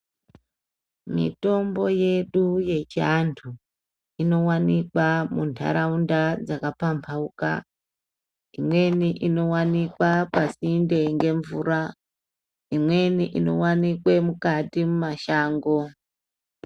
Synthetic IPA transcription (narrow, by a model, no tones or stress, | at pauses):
mḭto̞mbo̞je̞ɗuje̞t͡ʃiantʰu | ino̞wanikwamuntʰa̰ɾaundad͡zakapampʰauka̰ | imwe̞niʔino̞wanikwapasinde̞ŋɡe̞ɱvuɾa | imwe̞niʔino̞̰wanikwe̞mukatimumaʃaːŋɡo̞